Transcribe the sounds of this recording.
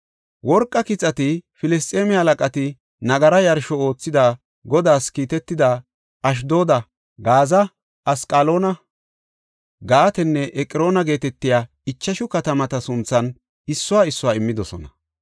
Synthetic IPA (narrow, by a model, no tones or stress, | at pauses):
wɔɾkʼːɐkɪt͡sʼːɐt̪ɪfɪlɛs̬t̪ʼeːmɪɐlɐkʼɐt̪ɪ | nɐɡɐɾɐjɐɾʃɔo̞ːt͡sːɪd̪ɐ | ɡɔd̪aːskiːt̪ɛt̪ːɪd̪ɐ | ɐʃ̬d̪o̞ːd̪ɐ | ɡaːzɐ | ɐskʼalo̞ːnɐ | ɡaːt̪ɛnːɛʔɛkʼɪɾo̞ːnɐɡe̞ːt̪ɛt̪ːɪjaː | ɪt͡ʃːɐʃʊkɐt̪ɐmɐt̪ɐsʊnt͡sːɐn | ɪsːʊwaːɪsːʊwaːɪmːɪd̪ɔsɔ̰nɐ